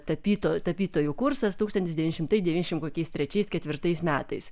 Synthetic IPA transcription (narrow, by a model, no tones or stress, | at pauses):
t̪ɐpʲiːt̪oːt̪ɐpʲiːt̪oːjukʊɾsɐst̪uːkst̪ɐnt̪ʲɪsd̪ʲʋʲinʲɪʃʲɪmt̪ɐɪd̪ʲɛʋʲiːnʲɛɪʃʲɪmkoːkʲɛɪst̪ʲɾʲɛt͡ʃʲɛɪskʲɛt̪ʲʋʲɪɾt̪ɐɪsmʲæːt̪ɐɪs